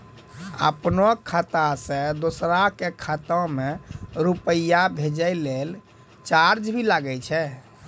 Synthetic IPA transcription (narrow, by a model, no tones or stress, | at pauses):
ə̰pnɔkʰat̪asẽd̪osɾakekʰat̪ə̃meɾupəjabʱed͡ʒəɪlel | t͡ʃaɾd͡ʒbʱilaɡɛt͡ʃʰɛ